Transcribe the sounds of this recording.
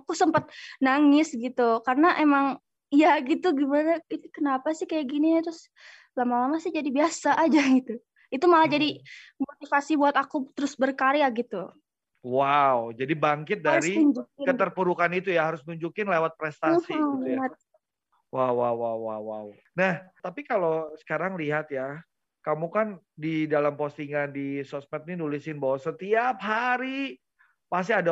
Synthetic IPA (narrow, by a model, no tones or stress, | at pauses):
akusəmpat̪̚naŋɪsɡit̪ukarənaʔemaŋ | jaɡit̪uɡimanait̪ukənapasɪhkajaʔɡiniɲat̪ɾʊs | lamalamasɪhd͡ʒadibiasaʔːd͡ʒaɡit̪u | it̪umalad͡ʒadimot̪ifasibuat̪akut̪əɾʊsbərkaɾeaʔɡit̪u | wawd͡ʒadibaŋkɪt̪̚daɾiuɲd͡ʒukɪkət̪ərpuɾukanit̪ujaɦaɾʊsmənuɲd͡ʒukɪnlewat̪̚pɾɛst̪asiujat̪̚ | wawawːawːawːaw | naht̪apikalosə̥kaɾaŋliɦat̪̚ja | kamukandidalampost̪iŋandisɔsmɛt̪̚nidulɪsɪnbawasət̪iap̚ɦaɾi | pas̬iada